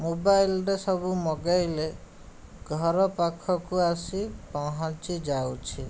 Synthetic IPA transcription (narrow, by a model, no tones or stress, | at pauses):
mobajlɾesɔbumɔɡajle | ɡʱɔɾɔpakʰɔkuasipɔɦãt͡ʃid͡ʒawt͡ʃʰi